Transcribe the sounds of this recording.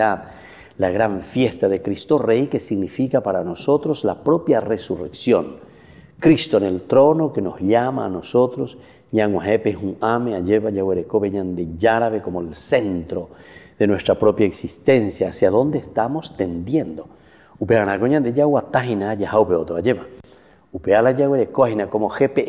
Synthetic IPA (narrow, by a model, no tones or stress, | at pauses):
að | laɣɾaɱfjest̪aðekɾist̪orejkesiɣnifikapaɾanosot̪ɾozlapɾopjaresurḛksjoŋ | kɾist̪oenelt̪ɾonokenozʎama̰ːnosot̪ɾos | ɲaŋwaɦepehuameaʎeβaʝaweɾekoβeɲand̪eʝaɾaβekomoelsent̪ɾoð̥enwest̪ɾapɾopjaeksist̪ensjaːsjaðond̪eːst̪amost̪end̪jend̪o | upeanakoɲand̪ejawat̪aɦinaːjahawpeot̪oaʝeβa | upealaʝaɣweɾekoahinakomoxepe